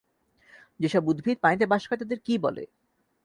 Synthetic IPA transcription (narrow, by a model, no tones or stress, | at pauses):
d͡ʑeʃɔbud̪bʱid̪̚pajt̪ebaʃkʰaet̪ad̪eɾkibɔ̰lḛ